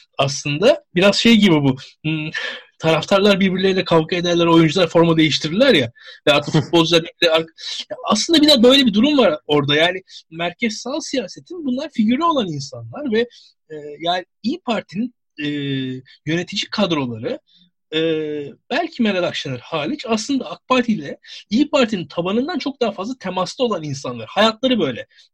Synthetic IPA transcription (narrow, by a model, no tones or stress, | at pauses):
aslˠɯnd̪abiɾaz̥ʃe̞jɟibibuː | t̪ʰaɾaft̪ʰaɾlˠaɾbiɾbiɾlʲeɾilʲɛkʰavkʰaed̪æɾlʲæɾo̞jund͡ʒulˠaɾfo̞ɾmd̪e̞jiʃt̪ʰiɾlʲæɾjavɛat̪ʰfut̪bolˠd͡ʒlˠaɾbɛc̚lʲɛaɾkjaaslˠɯnd̪abid̪azbø̞jlʲebid̪uɾumvaɾo̞ɾd̪ajaːnɪmæɾcʰɛz̥salˠsijaːse̞t̪ʰinbunlˠaɾficiɾlʲio̞lˠaninsanlˠaɾvɛ | ɛːjaːn | ijpʰaɾt̪ʰinin | ɛːjø̞ne̞t̪ʰid͡ʒikʰad̪ɾo̞lˠaɾɯ | ɛːb̥ælʲcʰimeɾalakʃanɯɾhaːlʲit͡ʃʰaslˠɯnd̪aːk̚pʰaɾt̪ʰilʲɛijpʰaɾt̪ʰinint̪ʰabanɯnd̪ant͡ʃʰo̞k̚d̪aɦafazlˠat̪ʰemaslˠio̞lˠaninsanlˠaɾhajat̪lˠaɾɯbø̞jlʲɛ